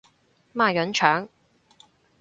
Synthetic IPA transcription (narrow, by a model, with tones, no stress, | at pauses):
maː˥˩ɥɐ˨˥nt͡ʃʰœː˨˥ŋ